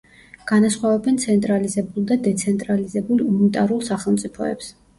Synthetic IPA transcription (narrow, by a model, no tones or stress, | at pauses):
ɡ̥anasχwavɛbɛnt̪sʰɛnt̪ʼɾalizɛbulˠd̪ad̪ɛt̪sʰɛnt̪ʼɾalizɛbulunit̪ʼaɾulˠsaχɛlˠmt̪sʼipʰɔ̰ɛ̰ps